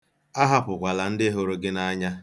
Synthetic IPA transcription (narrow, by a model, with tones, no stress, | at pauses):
a˦ɦa˦pʊ˨kʷa˨la˨n̩˦dɪ˦ɦo˦ɾo˦ɡɪ˦na˦ɲa˦